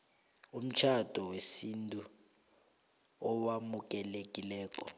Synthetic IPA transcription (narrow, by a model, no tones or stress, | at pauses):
um̩t͡ʃʰad̥ʱɔwesintʼu | ɔwamuk̬ʼɛlek̬ʼilɛːk̬ʼɔ̰